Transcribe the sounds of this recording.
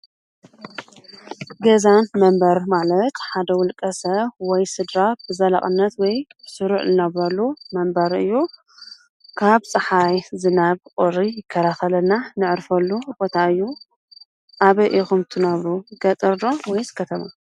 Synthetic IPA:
ɡɐzanmɐmbɐɾmalɐt̪ħad̪ɐwʊlkʼɐsɐβwɔjsɨd̪ɾab̥ɨzɐla̰χʼɨnːɐt̪wɔjbɨsɨɾuʕzɨnɐβɐlumɐmbɐɾɨjːu | kʰaβt͡sʼɨħajzɨnaβqʼoɾijɪkʰːɐɾʰaxɐlɐnanɨʕɾfɐlːubo̞t̪ʰaɨjːu | ʔaβɐʔixumt̪ʰɨnɐβɾuɡɐt̪ʼɨɾd̪owɔjzɨ̥kʰːɐt̪ʰɐma̰

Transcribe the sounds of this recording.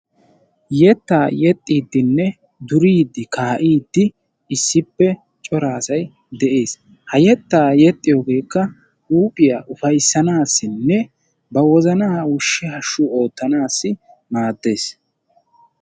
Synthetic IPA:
jɛt̪ːaːjɛt̪ʼːiːd̪ːɪnːɛ | d̪ʊɾiːd̪ːɪkaːʔiːd̪ːɪ | ɪsːɪpːɛ | t͡ʃʼɔɾaːsɐj | d̪ɛʔeːs | hɐjɛt̪ːaːjɛt̪ʼːɪjoːɡe̞ːkːɐ | uːpʼɪjaʔʊfɐjsːɐnaːsːɪnːɛ | bɐwɔzɐnaːwʊʃːɪhɐʃːʊo̞ːt̪ːɐnaːsːɪ | maːd̪ːe̞ːs

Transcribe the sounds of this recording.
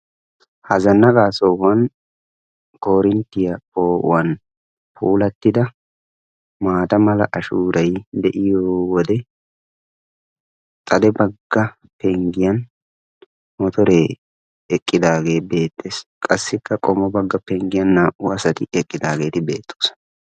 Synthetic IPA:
hɐzɐnːɐɡaːsoːɐn | ko̞ːɾɪnt̪ːɪjɐpoːʊ̰wɐn | pʰuːlɐt̪ːɪd̪ɐ | maːd̪ɐmɐlɐ̰ʔɐʃuːɾɐjd̪ɛʔɪjoːwɔd̪ɛ | t̪ʼɐd̪ɛbɐɡːɐ | pɛŋɡɪjɐn | mɔt̪ɔɾeː | ɛkʼːɪd̪aːɡe̞ːbe̞ːt̪ːeːskʼɐsːɪkːɐkʼɔmɔbɐɡːɐpɛŋɡɪjɐnːɐʔʊɐsɐt̪ɪɛkʼːɪd̪aːɡe̞ːt̪ɪbe̞̰ːt̪ʰːo̥ːs

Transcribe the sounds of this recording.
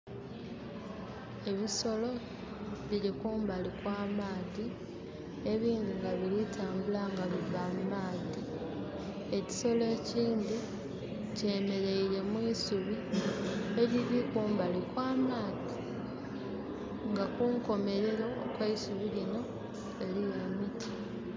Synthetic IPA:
e̞βiso̞lo̞ | βiɾikuːmbalikwaːmaːði | e̞βiːnd̪iŋɡaβiɾitʰaːmbulaŋɡaβivamumaːði | e̞ci̥so̞le̞ːciːnd̪i | ce̞ːme̞ɾe̞iɾe̞mwiːsuβi | eβiɾikuːmbalikwaːmaːði | ŋɡakuŋko̞me̞ɾe̞ɾo̞ːkwaisuβilino̞ | e̞lije̞miti̥

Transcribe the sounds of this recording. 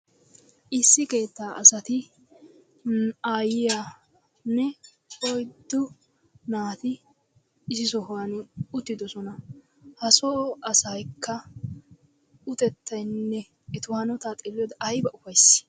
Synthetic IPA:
ʔɪsːɪke̞ːt̪ːaːʔɐsɐt̪ɪ | aːjɪja | nːɛ | ɔjd̪ːʊ | naːt̪ɪ | ɪsɪsɔɦwɐnʊt̪ːɪd̪ɔsɔnɐ | hɐsɔɐsɐjkʰːɐ | ʊt̪ɛt̪ːɐjnːɛ | ɛt̪ʊhɐnɔt̪aːt̪ʼɪlːɛd̪ɐʔɐjbɐʔʊfɐjs

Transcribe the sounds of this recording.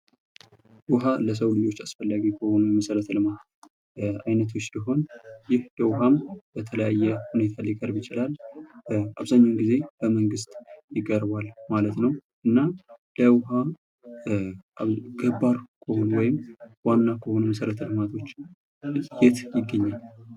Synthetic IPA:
wʊɦaləs̬əwlɨd͡ʒo̞t͡ʃːasfəlːaɡikʰəho̞numəsəɾət̪ʰlɨmat̪ | ajnət̪ʰot͡ʃːd̪iɦo̞njɪhd̪̥əwɦamb̥ət̪ʰələjajːɛhune̞t̪ʰalikʼəɾbjɪt͡ʃɪlal | aβzaɲːawnɡize̞b̥əməŋɡɨst̪ʼjɪkʼːəɾbalmalət̪nəwʔɨnːad̪əwɦa | ɡəbaɾkʰəhonuwɔjɪmwanːakʰəho̞numəsəɾət̪ʰlɨmat̪ʰo̞t͡ʃː | jet̪jɪɡːəɲːal

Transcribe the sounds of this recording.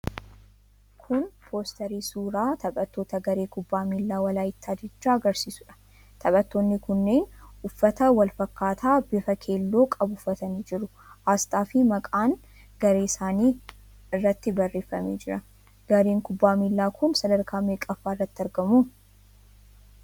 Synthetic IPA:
kʰʊnpʰo̞ːst̪ɐɾiːsuːɾaːt̪ʰɐɓʼɐt̪ːo̞ːt̪ɐɡɐɾe̞ːkʊbːaːmiːlːaːwɐlaːjɪt̪ːaːd͡ʒɛt͡ʃːaːɐɡɐɾsiːsʊᶑɐ̥ | t̪ʰɐɓʼɐt̪ːoːnːɪkʊnːe̞ːnʊfːɐt̪ɐwɐlfɐkːaːt̪ʰaːbɪfɐkʰe̞ːlːoːkʼɐbʊfːɐt̪ɐniːd͡ʒɪɾʊ | haːst̪ʼaːfɪmɐkʼaːŋ | ɡ̥ɐɾe̞ːɪsaːniː | ɪrːɐt̪ːɪbɐrːeːfːɐmeːd͡ʒɪɾɐ | ɡ̥ɐɾe̞ːŋkʊbːaːmiːlːaːkʰʊnsɐd̪ɐɾkʰaːmeːkʼɐfːaːɪrːɐt̪ːɪɐɾɡɐmuː

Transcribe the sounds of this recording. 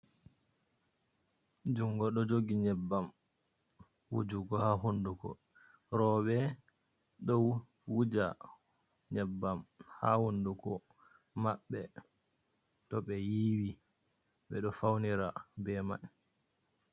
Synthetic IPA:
d͡ʒuŋɡɔɗɔd͡ʒoɡiɲɛbːam | wṵd͡ʒuɡɔhaɦundukɔ̰ | ɾɔɓɛ | ɗɔw | wud͡ʒa | ɲɛbːamha̰hundukɔ | maɓːɛ | tɔɓɛjiwi | ɓɛɗɔfawniɾabɛma̰n

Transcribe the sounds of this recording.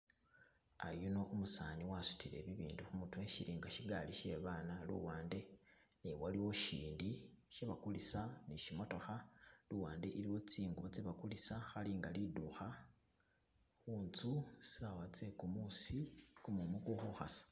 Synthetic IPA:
a̰juno̞ʔumusaːniwasu̥tʰile̞̰βiβḭːnduxumutweʃiɾiːŋɡaʃiɡaliʃe̞βaːnalṵwaːnde̞niwaliwo̞ʃiːndiʃeβakulisaniʃimo̞to̞xaluwaːnde̞ʔiɾiwo̞t͡siːŋɡuβot͡seβakulisaxaliŋɡaliduxa | xuːnt͡susiawat͡se̞kumusikumumukuxuxa̰sḁ

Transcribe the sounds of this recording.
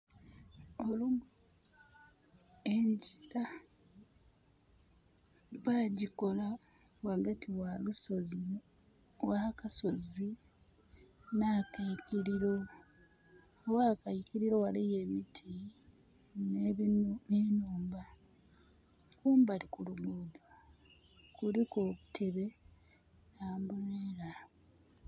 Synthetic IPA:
olum | eɲɟiɾa | βaːɟiko̞la | waɡatiwalusoz | wakaso̞zi | nakajikiɾiɾo̞ | waːkajikiɾiɾo̞walijeːmitʰi | nenenuːmba | kuːmbaɾikuluɡuːdwa | kuliko̞ːβutʰe̞βe̞ | ambueɾa

